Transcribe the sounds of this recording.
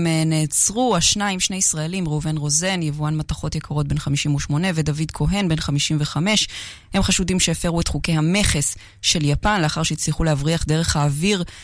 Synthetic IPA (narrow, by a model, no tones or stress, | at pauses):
mneːt͡sʁuaʃnaimʃne̞isʁae̞limʁuuve̞nʁo̞ze̞njevuanmataχo̞tjekʰaʁo̞t̚be̞nχamiʃimuʃmo̞ne̞vedavidkʰo̞ɦe̞nbe̞nχamiʃimveχame̞ʃ | he̞mχaʃudimʃeːfeʁuetχukehame̞χes | ʃe̞ljapanleaχaʁʃeit͡sliχulehavʁiaχdeʁe̞χhaːviʁ